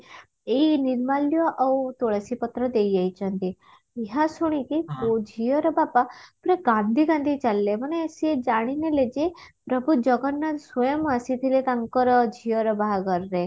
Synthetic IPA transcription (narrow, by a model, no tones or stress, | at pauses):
einiɾmaljɔʔawt̪oɽasipɔt̪ɾɔd̪ejajt͡ʃʰənt̪i | eɦasuɽ̃ik̪ikod͡ʒʱijɔɾɔbapapɾeɡãnd̪ʱiɡãnd̪ʱit͡ʃalːeməneesied͡ʒaɽ̃ineled͡ʒepɾəbʱud͡ʒɔɡɔnːasʋɔjəməsit̪ʰilet̪aŋkɔɾɔd͡ʒʱijɔɾɔbaɦaɡəɾɾe